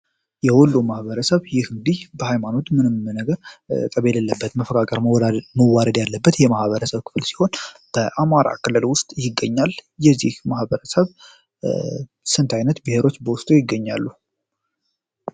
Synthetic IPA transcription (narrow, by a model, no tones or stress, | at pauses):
jɛwʊlːumahβəɾəsəβjɪhɨŋd̪ihbəhajmano̞t̪mɨnɨmɨnəɡəɾt̪ʼəβeləlːəbːət̪məfəkʼakʼəɾmməwːaɾəd̪jalːəbːət̪jɛmahβəɾəsəβkʰɨ̥fɨlsi̥ho̞nb̥əʔamaɾa̰kʰɨlːɨlwʊst̪ʼjɪɡːəɲːaljɛzːihmahbəɾəsəβ | sɨnt̪ʰajnət̪bɨhe̞ɾo̞t͡ʃːbəwʊst̪ʼujɪɡːəɲːa̰lːu